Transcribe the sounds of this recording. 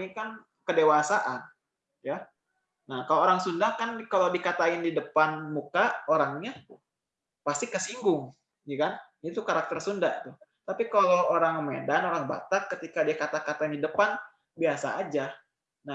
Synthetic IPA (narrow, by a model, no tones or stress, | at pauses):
nikan | kədewasaʔan | ja | nahkalooɾaŋsundakankalobikat̪aɪndidəpanmukaoɾaŋɲa | past̪ikəsiŋɡʊŋ | d͡ʒukan | it̪ukaɾak̚t̪ərsundat̪ut̪apikalooɾaŋmedanoɾaŋba̰t̪akːət̪ikadiakat̪akat̪aɪndidəpan | biasa̰ːd͡ʒa | na